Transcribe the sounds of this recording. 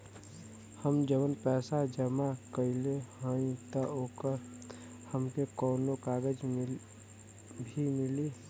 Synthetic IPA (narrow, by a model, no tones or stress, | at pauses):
həmd͡ʒəʋənpɛːsad͡ʒəmakəɪlehəĩt̪əoːkəɾ | həmkekɔːnokaːɡəd͡ʒm | bʱimɪli